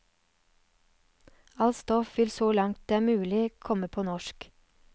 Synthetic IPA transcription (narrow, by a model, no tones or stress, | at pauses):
ɑlst̪ɔfʋɪlsoːlɑŋt̪̚d̪eːæːmʉːlɪkʰɔməpʰoːnɔʃk